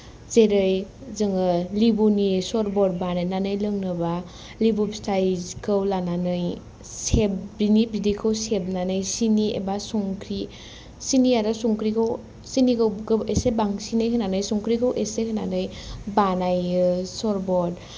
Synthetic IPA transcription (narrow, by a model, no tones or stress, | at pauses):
zeɾɯjzɯŋɯlibunisɔɾbɔd̚banɯjnanɯjlɯŋnɯba | libupstʰajzkʰɯwlananɯj | seb̚binibidikʰɯwseb̚nanɯjsiniḛbasuŋkʰɾi | siniaɾasuŋkɾikʰɯw | sinikɯwɡɯesebaŋsinɯjkʰɯnanɯjsuŋkɾikʰɯwʔesekʰɯnanɯjbanajɯsɔɾbɔd